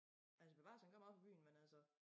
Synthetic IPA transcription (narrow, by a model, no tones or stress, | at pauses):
ʔælsəb̥e̝ʋɑ̈shænɡɶɐmɑ̥̈pɒ̽b̥y̰ːn̩mænælsə